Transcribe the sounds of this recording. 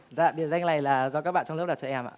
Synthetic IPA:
za̰ː˧˨˩ɓi˨˩əwza˧ŋla˨˩jlaː˨˩zɔ˧kaː˦˥k̚ɓa̰ː˧˨t͡ɕɔ˧ŋ͡mk͡p̚a˨˩t͡ɕɔ˧ʔɛ˧mʔa̰ː˧˨

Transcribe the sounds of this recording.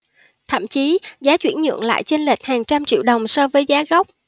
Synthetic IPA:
t̪ʰə̰˧˨mt͡ɕi˨˦zaː˨˦t͡ɕwi˧˩ənɲə̰˧˨ŋla̰ː˧˨jt͡ɕe˧nlə˨˩k̚haː˨˩ŋt͡ɕa˧mt͡ɕḭ˧˨wɗə˨˩wŋ͡msɔ˧vəː˨˦jzaː˨˦ɣa˦˥wk͡p̚

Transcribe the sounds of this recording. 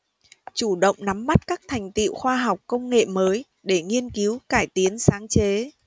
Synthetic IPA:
t͡ɕu˧˩ɗə̰˧˨wŋ͡mna˨˦mːa˦˥t̚kaː˦˥k̚t̪ʰa˨˩jŋ̟t̪ḭ˧˨wxwaː˧ɦa˨˩wk͡p̚kə˧wŋ͡mŋḛ˧˨məː˨˦j | ɗe˧˩ŋi˧ənki˨˦wkaː˧˩jt̪i˨˦ənsaː˨˦ŋt͡ɕe˨˦

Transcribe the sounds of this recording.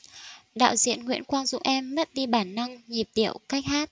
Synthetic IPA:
ɗa̰ː˧˨wzḭ˧˨ənŋwḭ˧˥ənkwaː˧nzʊ̰˧˨ŋ͡mʔɛ˧mːə˦˥t̚ɗi˧ɓaː˧˩nːə˧ŋɲi˨˩p̚ɗi˧˨əwka˦˥jk̚haː˦˥t̚

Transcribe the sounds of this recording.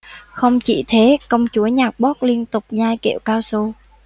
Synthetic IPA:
xə˧wŋ͡mt͡ɕḭ˧˩˨t̪ʰe˨˦kə˧wŋ͡mt͡ɕu˨˦əɲaː˨˩k̚ɓɔ˦˥k̚li˧ənt̪ʊ˨˩k͡p̚zaː˧jkḭ˧˩˨wkaː˧wso˧

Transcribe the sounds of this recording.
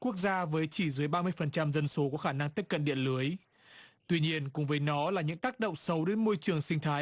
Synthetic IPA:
ku˦˥ək̚zaː˧vəː˨˦jt͡ɕi˧˩zɨ˨˦əjɓaː˧mɨ˧əjfə˨˩nt͡ɕa˧mzə˧nso˨˦kɔ˨˧˦xaː˧˩na˧ŋt̪i˦˥p̚kə˧˨nɗḭ˧˨ənlɨ˨˦əj | t̪wi˧ɲi˧ənkʊ̰˧˥ŋ͡mvəː˨˦jnɔ˨˦laː˨˩ɲɨ̰˧˥ŋt̪aː˦˥k̚ɗə̰˧˨wŋ͡msə˨˦wɗe˨˦nmo˧jt͡ɕɨ˨˩əŋsï˧ŋ̟t̪ʰaː˨˦j

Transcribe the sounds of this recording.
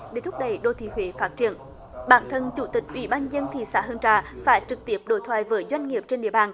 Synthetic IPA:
ɗe˧˩t̪ʰʊ˦˥k͡p̚ɗə̰˧˩˨jɗo˧˩t̪ʰḭ˧˩ɦwḛ˧˨˦faː˦˥t̚t͡ɕi˧˩ən | ɓaː˧˥nt̪ʰə˧nt͡ɕu˧˩t̪ï˨˩k̚ʔwḭ˧˩ɓaː˧nzə˧nt̪ʰḭ˧˨sa̰ː˧˦ɦə˧nt͡ɕaː˧˩faː˧˦jt͡ɕɨ˨˩k̚t̪i˦˥əp̚ɗo̰˧˦jt̪ʰwaː˨jvəː˨˦jzwa˧jŋ̟ŋi˨˩əp̚t͡ɕe˧nɗḭ˧˨ə˩ɓaː˨˩n

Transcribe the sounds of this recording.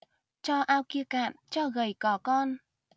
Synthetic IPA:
t͡ɕɔ˧ʔaː˧wki˧əka̰ː˧˨nt͡ɕɔ˧ɣə˨˩jkɔ˨˦kɔ˧n

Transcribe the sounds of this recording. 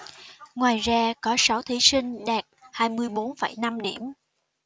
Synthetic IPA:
ŋwaː˨˩jzaː˧kɔ˨˦sa˨˦wt̪ʰi˨˦sï˧ŋ̟ɗaː˨˩t̚haː˧jmɨ˧əjɓo˨˦nfə˧˩jna˧mɗi˧˩əm

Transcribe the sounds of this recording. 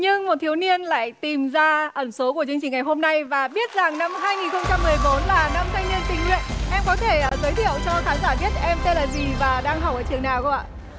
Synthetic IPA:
ɲɨ˧ŋmo˨˩t̪̚ʰi˨˦əwni˧ənla̰ː˧˨jt̪i˨˩mzaː˧ʔə˧˩nso˨˦k̬u˧˩t͡ɕɨ˧ŋt͡ɕï˨˩ŋ̟ŋa˨˩jɦo˧mna˧jvaː˨˩ɓi˦˥ət̚za˨˩ŋna˧mɦaː˧jŋi˨˩nxə˧wŋ͡mt͡ɕa˧mːɨ˨˩əjɓo˨˦nlaː˨˩na˧mt̪ʰa˧jŋ̟ɲi˧ənt̪ï˧˩ŋlwḭ˧˨ənʔɛ˧mkɔ˨˦t̪ʰe˧˩˨zəː˨˦jt̪ʰḭ˧˨əwt͡ɕɔ˧xaː˨˦nzaː˧˩ɓi˦˥ət̚ʔɛ˧mt̪e˧nlaː˨˩zi˨˩vaː˨˩ɗaː˧ŋɦa˨˩w̚ʔəː˧˩t͡ɕɨ˨˩əŋnaː˨˩wka̰˧˨

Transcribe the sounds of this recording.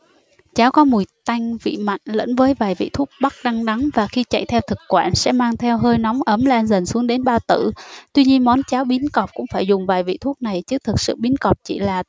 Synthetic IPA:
t͡ɕaː˨˦wkɔ˨˦mu˨˩jt̪a˧jŋ̟vḭ˧˨ma̰˧˨jŋ̟lə̰˧˥nvəː˨˦jvaː˨˩jvḭ˧˨t̪ʰu˦˥k͡p̚ɓa˦˥k̚ɗa˧ŋɗa˨˦ŋvaː˨˩xi˧t͡ɕa̰˧˨jt̪ʰɛ˧wt̪ʰɨ˨˩k̚kwaː˧˩nsɛ̰˧˥maː˧ŋt̪ʰɛ˧wɦəː˧jnɔ˨˦wŋ͡mʔə˨˦mlaː˧nzə˨˩nsu˨˦əŋɗe˨˦nɓaː˧t̪ɨ̰˧˨t̪wi˧ɲi˧ənmɔ˨˦nt͡ɕaː˨˦wɓi˨˦ənkɔ˨˩p̚kʊ̰˧˥ŋ͡mfaː˧˩jzʊ˨˩ŋ͡mvaː˨˩jvḭ˧˨t̪ʰu˦˥ək̚na˨˩jt͡ɕɨ˦˥t̪ʰɨ˨˩k̚sɨ̰˧˨ɓi˨˦ənkɔ˨˩p̚t͡ɕḭ˧˩laː˨˩

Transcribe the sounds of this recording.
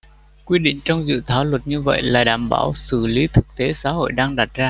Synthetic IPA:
kwi˧ɗḭ˧˨ŋ̟t͡ɕɔ˧wŋ͡mzɨ̰˧˨t̪ʰaː˨˦lwə˨˩t̚ɲɨ˧və̰˧˨jlaː˨˩ɗaː˨˩mɓa̰ː˧˩wsɨ˧˩li˨˦t̪ʰɨ˨˩k̚t̪e˨˦saː˨˦ho̰˧˨jɗaː˧ŋɗa˨˩t̚zaː˧

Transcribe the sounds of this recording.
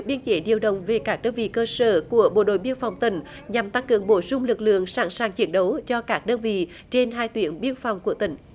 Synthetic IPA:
k̚ɓi˧ənt͡ɕe˧˦ɗi˨˩əwɗə̰˧˨wŋ͡mve˨˩kaː˦˥k̚ɗəː˧nvḭ˧˨kəː˧səː˧˩ku˧˩əɓo̰˧˨ɗo̰˧˨jɓi˧ənfa˨˩wŋ͡mt̪ï˧˩ŋ̟ | ɲa˨˩mt̪a˧ŋkɨ̰˨˧˨əŋɓo˧˩sʊ˧ŋ͡mlɨ˨˩k̚lɨ̰˧˨əŋsaː˧˩ŋsaː˨˩ŋt͡ɕi˨˧˦ənɗə˨˦wt͡ɕɔ˧kaː˦˥k̚ɗəː˧nvḭ˧˨ | t͡ɕe˧nɦaː˧jt̪wi˧˩ənɓi˧ənfa˨˩wŋ͡mku˧˩ət̪ï˧˩ŋ̟

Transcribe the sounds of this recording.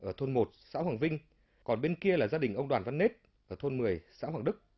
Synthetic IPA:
ʔəː˧˩t̪ʰo˧nmo˨˩t̚sa̰ː˧˥hwaː˨˩ŋvï˧ŋ̟ | kɔ˨˩nɓe˧nki˧əlaː˨˩zaː˧ɗï˨˩ŋ̟ʔə˧wŋ͡mɗwaː˨˩nva˧nːe˦˥t̚ | ʔəː˧˩t̪ʰo˧nmɨ˨˩əjsa̰ː˧˥hwaː˨˩ŋɗɨ˦˥k̚

